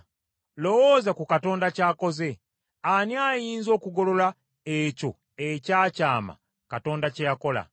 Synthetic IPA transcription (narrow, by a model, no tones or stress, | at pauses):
lo̞woːzakukato̞ːndacaːko̞ze̞ | aniajiːnzo̞ːkuɡo̞lo̞la | eco̞̰ | ecaːcaːma̰ | kato̞ːndacejako̞la̰